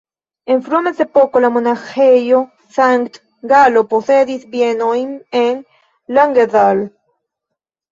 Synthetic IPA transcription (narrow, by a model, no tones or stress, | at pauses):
eɱfɾumesðepokolamonaxejo | saŋkt̪ | ɡalopoθeðiθbjenojmeŋ | laŋɡeðal